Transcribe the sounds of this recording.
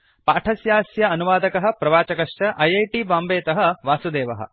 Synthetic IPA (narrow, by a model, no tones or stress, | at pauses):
paːʈʰɐsjaːsjɐɐnuʋaːd̪ɐkɐɦɐ̆pɾɐʋaːt͡ʃɐkɐʂt͡ʃɐʔɐjɐjʈiːbaːmbeːt̪ɐɦɐ̆ʋaːsud̪eːʋɐɦɐ̰̆